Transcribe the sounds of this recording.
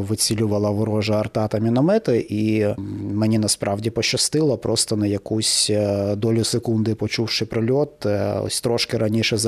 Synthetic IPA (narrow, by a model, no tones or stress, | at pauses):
ʋɪt͡sʲilʲʊʋɐlˠɐʋɔɾɔʒɐɐrt̪ɑt̪ɐmʲinɔmɛt̪ɪʔi | menʲinɐspɾɑwdʲipɔt͡ʃːɐst̪ɪlˠɐpɾɔst̪ɔnɐjɐkusʲd̪ɔlʲʊsekund̪ɪpɔt͡ʃuwʃɪpɾɪlʲɔt̪ɔ̰sʲt̪ɾɔʃkɪɾɐnʲiʃɛz